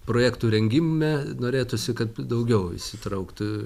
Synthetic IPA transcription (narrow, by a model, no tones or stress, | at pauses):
pɾoːjæːkt̪uːɾʲɛŋʲɡʲɪmmʲɛnoːɾʲeːt̪ʊsʲɪkɐt̪d̪ɐʊɡʲɛʊɪ̰ʃʲsʲɪt̪ɾɐʊkt̪ʊ